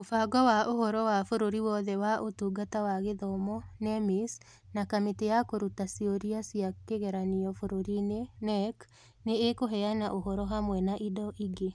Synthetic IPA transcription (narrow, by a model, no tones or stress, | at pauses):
ofaɡwɔwaʔohɔɾɔwafoɾoɾiwɔðɛwaʔotuɡatawaɣeðɔmɔnɛmis | nakametejakoɾutasioɾiasiakeɣɛɾaniɔfoɾoɾinenɛk | neːkoɦɛanaʔoɦɔɾɔɦamwɛnaʔidɔʔiɡe